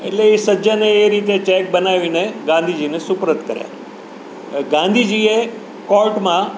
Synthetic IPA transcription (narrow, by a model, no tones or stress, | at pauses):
ḛʈleisəd͡ʒaneːɾiːt̪et͡ʃek̚bənaʋineɡãnd̪ʱid͡ʒiːnesʊpɾət̪kəɾja̰ | ɡãnd̪ʱid͡ʒiːe | kɔlʈmã